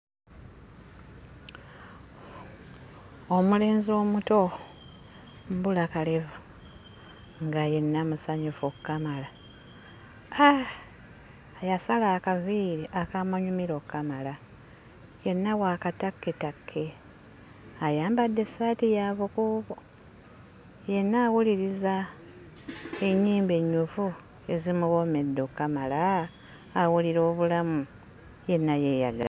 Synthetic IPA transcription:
omule̞ːnzioːmuto̞ | mbulakalevu | ŋɡaje̞nːamusaɲufokːamala | a | ajasalaːkaviːɾiʔakamaɲumiɾo̞kːamala | je̞nːawaːkatakːe̞takʰːe̞ | ajaːmbadːe̞saːtijaːβukuːβo | je̞nːaːwuliɾiza | eɲːiːmbe̞ɲːufu | ezimuβo̞me̞dːo̞kːamalaː | wuliɾo̞ːβulamu | je̞nːaje̞ja̰ɡa̰

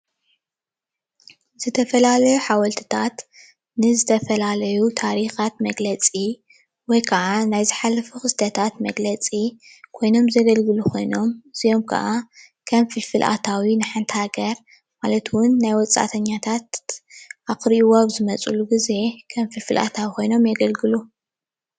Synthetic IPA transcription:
z̥ɨt̪ʰɐfɐlalɐjuħawɐlt̪ʰɨ̥t̪ʰat̪ | nɨzɨt̪ʰɐfɐlalɐjut̪ʰaɾixat̪mɐɡlɐt͡sʼi | wɔjkʰɐʕanajzɨħalːɐfuxɨst̪ʰɐt̪ʰat̪mɐɡlɐt͡sʼi | kʰo̞jno̞mzɐɡɐlɡɨlukʰo̞jno̞mɨz̥ijo̞mkʰɐ̰ʔa | kʰɐmfɨlfɨlʔa̰t̪ʰawinɨħant̪haɡɐɾ | malɐt̪ʰwʊnːajwɔt͡sʼa̰t̪ʰɐɲːat̪ʰat̪ | axɾiʔiwoaβzɨmɐt͡sʼuluɡize̞kʰɐmfɨlfɨlʔa̰t̪ʰawikʰo̞jno̞mjɐɡɐlɡɨlu

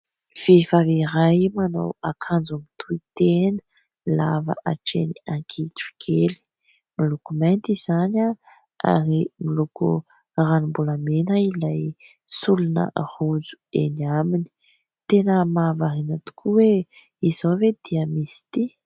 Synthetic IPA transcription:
v̥evaviɾajmana̰wakʰand͡zunit̪ʰuit̪enə̥ | lava̰ʔaʈ͡ʂḛniaŋkʰiʈ͡ʂu̥ɡʰeli̥ | milukumajnt̪izana | a̰ɾimilukṵ | ranumbulamenailaj | sulunə̰rud͡zu̥ḛnamini̥ | t̪enəmavaɾinət̪u̥kʰuwe | izowved̪̥iəmisi̥t̪i

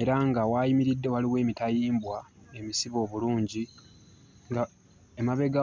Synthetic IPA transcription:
e̞ɾaŋɡawaːjimiɾidːe̞waliwe̞ːmitajiːmbwae̞misiβo̞ːβuluːɲɟi | ŋɡa | emaβe̞ɡa

